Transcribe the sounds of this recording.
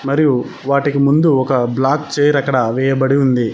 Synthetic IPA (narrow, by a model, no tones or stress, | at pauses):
mɐɾiju | ʋaːʈikimund̪uɔkɐblaːkt͡ʃeːɾɐkːɐɽɐʋɛːjɐbɐɽiund̪i